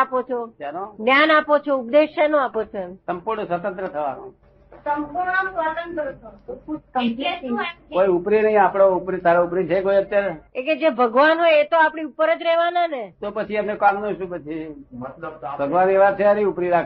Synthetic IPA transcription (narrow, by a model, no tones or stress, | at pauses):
apot͡ʃʰot͡ʃanonjanapot͡ʃʰoup̚d̪eʃenõapot͡ʃʰesəmpuɾɳəsət̪ə̃nt̪ɾət̪ʰəʋa̰nṵ̃ | səmpuɾɳət̪ən | iekoiupɾinəɦĩapɽ̃oupɾit̪aɾeupɾit͡ʃʰekoiət̪ːjaɾeeked͡ʒebʱəɡʋanɦojet̪oapɽ̃iupəɾəd͡ʒɾeʋananet̪opət͡ʃʰiapnekamnə̃ʃũpət͡ʃʰi | bʱəɡʋanːiʋat̪̚t͡ʃʰeaɾiupɾiɾak